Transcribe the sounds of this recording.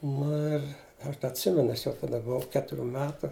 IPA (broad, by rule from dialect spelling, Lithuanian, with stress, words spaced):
ˈnʊ ɪr ˈɐʃ dɐ ɐtʲˈsʲɪmʲɛnʊ ˈɐʃ jɛʊ tɐˈdɐ bʊˈʋɐʊ ˈkʲæːtʊˌrʲuː ˈmʲæːtʊ